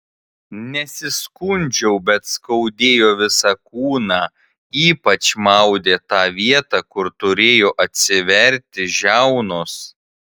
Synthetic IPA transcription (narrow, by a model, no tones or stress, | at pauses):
nʲɛsʲɪskʊnʲd͡ʒʲɛʊbʲɛt̪skɐʊd̪ʲeːjoːʋʲɪsɑkuːnɑː | iːpɐt͡ʃmɐʊd̪ʲeːt̪ɑːʋʲiɛt̪ɑːkʊɾt̪ʊɾʲeːjoːʔɐt̪ʲsʲɪʋʲɛɾʲˑt̪ʲɪʒʲæʊnos